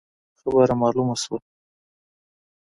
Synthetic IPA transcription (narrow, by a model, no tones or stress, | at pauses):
xabaɾamɑlumaswa